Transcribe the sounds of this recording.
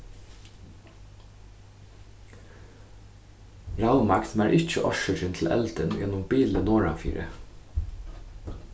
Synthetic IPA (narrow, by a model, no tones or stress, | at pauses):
ɹɑʊmɑksmæːɾʔɪc͡çəʔɔʃəʃɪnt̪ʰl̩ʔɛ̰ld̪ənjɛnʊmbiːlənoːɹɑ̰fḭːɾə̰